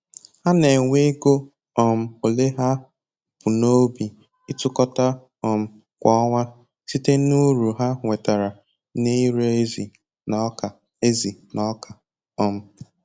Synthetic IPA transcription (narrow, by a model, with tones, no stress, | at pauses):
ha˦ne˨ŋʷe˦ɡo˦ | ɔ˨m̩˨o˨le˦ɦa˦ | pʊ˨no˦bi˨ | i˦tʊ˦kɔ˦ta˦ | ɔ˨m̩˨ | kʷɔ˦ɔ˦ŋʷa˦ | si˦te˦nu˦ɾu˨ɦa˦ŋʷe˨ta˨ɾa˨ | ne˦i˦ɾe˦e˦zi˨ | nɔ˨˦ka˨ | e˦zi˨nɔ˦kʰa˨ | ɔ˨m̩˦